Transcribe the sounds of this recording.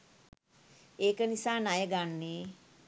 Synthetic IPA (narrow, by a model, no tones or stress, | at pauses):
eːkənisaːnajəɡanːeː